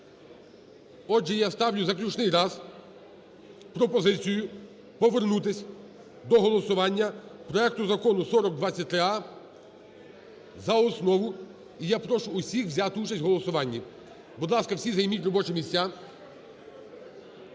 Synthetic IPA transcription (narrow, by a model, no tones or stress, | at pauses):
ɔd͡ʒɛjast̪ɑwlʲʊzɐklʲut͡ʃnɪjɾɑz | pɾɔpɔzɪt͡sʲijʊ | pɔʋernut̪ɪsʲ | d̪ɔɦɔlˠɔsʊʋɑnʲːɐpɾɔɛk̚t̪ʊzɐkɔnʊsɔɾɔɡ̚d̪ʋɑt͡sʲːɐt̪̚ʲːɾɪɑ | zɐɔsnɔʋʊ | ijapɾɔʃʊːsʲixʋzʲat̪ɪut͡ʃɐsʲtʲɦɔlˠɔsʊʋɑnʲːi | bʊd̪lˠɑskɐwsʲizɐjmʲitʲrɔbɔt͡ʃɛmʲisʲt͡sʲa